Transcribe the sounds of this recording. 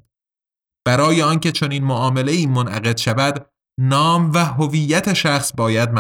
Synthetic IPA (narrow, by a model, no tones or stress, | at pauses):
b̥æɾɒːjeɒːnce̞t͡ʃʰo̞niːnmoʔɒːme̞leiːmonʔæ̰ɣe̞d̪̥ʃævæd̪ | nɒːmvæɦovijːæt̪ʰe̞ʃæxsbɒːjæd̪̚m